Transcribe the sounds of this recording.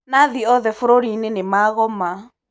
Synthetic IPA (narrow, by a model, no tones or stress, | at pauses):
naðiɔðɛfoɾoɾinenemaɣɔma